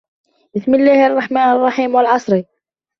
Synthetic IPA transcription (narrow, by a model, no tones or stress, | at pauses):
bɪsmɪlːaːhʔɑrˤːɑħmaːnɑrˤːɑħiːmwalʕɑsˤɾi